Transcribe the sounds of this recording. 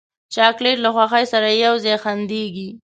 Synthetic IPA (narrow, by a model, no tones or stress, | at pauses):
t͡ʃɑkleʈlaxwaxajsaɾajawzɑjxand̪eɡi